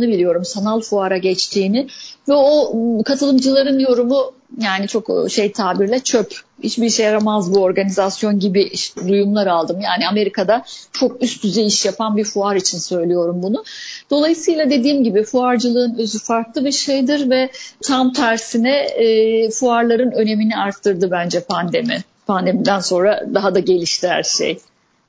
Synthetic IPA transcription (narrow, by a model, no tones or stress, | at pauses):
nɯbilʲijo̞ɾumsanalˠfuaɾaɟɛt͡ʃt̪ʰiːnɪvɛokʰat̪ʰɯlˠɯmd͡ʒɯlˠaɾɯnjo̞ɾumu | jaːnit͡ʃʰo̞kʃe̞jt̪ʰaːbiɾlʲɛt͡ʃʰøphit͡ʃbiɾʃejaɾamazbuo̞ɾɡanizasjo̞nɟibɪʔʃt̪ɛd̪ujumlˠaɾalˠd̪ɯmjaːnɪame̞ɾikʰad̪at͡ʃʰo̞k̚yst̪̚yzɛiʃjapʰanbiɾfuaɾit͡ʃʰinsø̞jlʲijo̞ɾumbunʊd̪̥o̞lˠajɯsɯjlˠad̪e̞d̪iːmɟibifuaɾd͡ʒɯlˠɯːnø̞zyfaɾklˠɯbiɾʃejd̪ɯɾvɛt̪ʰam̚t̪ʰæɾsinɛː | fuaɾlˠaɾɯnø̞ne̞miniaɾt̪ʰːɯɾd̪ɯbænd͡ʒɛpʰand̪emi | pʰand̪e̞mid̪ænso̞nɾad̪aɦad̪aɟe̞lʲiʃt̪ʰihæ̰ɾʃḛj